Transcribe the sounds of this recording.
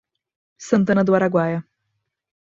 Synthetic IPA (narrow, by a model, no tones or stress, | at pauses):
sɐ̃nt̪̬ɐ̃nɐd̪ʊaɾaɡwajɐ